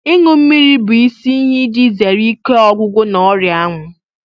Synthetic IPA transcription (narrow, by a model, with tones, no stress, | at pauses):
i˦ŋʊ˦m̩˦mi˦ɾi˦bʊ˨i˦si˦ɲɪ˦di˦ze˨ɾi˦ke˦ɔ˦ɡʷʊ˦ɡʷʊ˦nɔ˦ɾja˦ŋʷʊ˨